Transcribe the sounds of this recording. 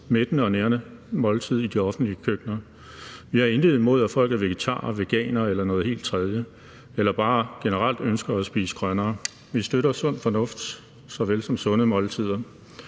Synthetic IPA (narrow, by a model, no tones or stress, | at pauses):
med̥ənəɒ̽neːɐnə | mɒ̽lt͡sʰið̞̰ˠid̥iɒ̽fn̩d̥liəkʰøɡ̥nɐ | ʋiæɐe̝ndið̩ˠmo̝ð̞̰ˠæfɒ̽l̰ɡ̥ð̩ˠʋe̝ɡ̥e̝t͡sʰɑ̰̈ːɐʋe̝ɡ̥ɛ̰ːnɐelɐnɔ̽ːðˠhe̝̰ːld̥̚t͡sʰʁɛð̞ˠjə | elɐb̥ɑ̈ːɡ̥e̝nəʁal̰d̥ønsɡ̥ɐæsb̥ḭːsə̥ɡ̥ʁɶnɐː | ʋisd̥øɾɐsɔ̽n̰fɒ̽nɔ̽fd̥ | sɒ̽ʋelsɒ̽msɔ̽nəmɒ̽lt͡sʰið̰ˠɐ